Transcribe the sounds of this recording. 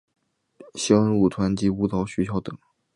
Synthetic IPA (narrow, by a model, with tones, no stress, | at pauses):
ɕjɑ˥ŋu˨˩t̪ʰwa˧˥nt͡ɕi˧˥u˧˥t̪ʰɑ˧˥ʊɕy˧˥t͡ɕʰjɑ˧˥ʊt̪ɤ˨˩˦ŋ